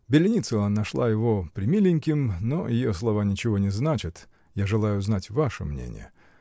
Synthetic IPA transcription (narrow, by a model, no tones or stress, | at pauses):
bʲɪlʲɪnʲit̪sɨlˠənɐʂlˠa̰jɪvo̞pɾʲɪmʲilʲɪnʲkʲɪmnojɪjoslˠɐvanʲɪt͡ɕɪvo̞nʲɪznat͡ɕɪt̪ | jaʐɨlˠajʊznatʲvaʂə̰mnʲḛnʲɪ̰jə̰